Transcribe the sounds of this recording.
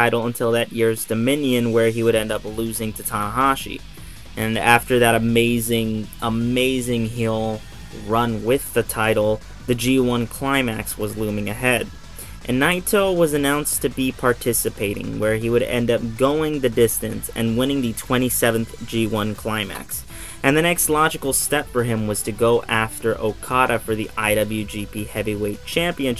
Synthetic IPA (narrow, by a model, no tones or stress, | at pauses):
aɪɾl̩ˠə̃ntʰɪlˠðɨʔ̚jɪɹzdɨmɪ̃njɨ̃nwə˞iwɨɾɛ̃ndʌplʉzɪ̃ŋtʰɨtʰɑnəɦɑʃḭ | ʔɨ̃næftə˞ðɨɾɨmeɪzɪ̃ŋʔəmeɪzɪ̃ŋɦɪlˠ | ɹʌ̃nwɪðɨtʰaɪɾl̩ˠ | ðɨd͡ʒiwʌ̃nkʰl̥ãɪ̃mæ̰kswʌzlũmɪ̃ŋɨɦɛd | ʔɨ̃nːaɪtʰoʊwʌzɨnãʊ̃nstʰɨbipʰɑɹtʰɪsɨpʰeɪɾɪ̰̃ŋwə˞iwɨɾɛ̰̃ndʌp̚ɡ̥oʊɪ̃ŋðɨdɪstɨ̃nsɨ̰̃nwɪ̃ñɪ̃ŋðɨtʰw̥ɛ̃ɾ̃isɛvɨ̃n̩θd̥ʒ̥iwʌ̃nkʰl̥ãɪ̃mæ̰ks | ʔɨ̃nðɨñɛkstˡlɑd͡ʒɨkl̩ˠstɛpfə˞ɪ̃mwʌz̥tʰɨɡoʊʔæftə˞ʔoʊkʰɑɾɨfə˞ðiʔaɪɾʌbl̩ˠjʉd͡ʒipʰihɛviweɪt̚t͡ʃʰæ̃mpiɨ̃n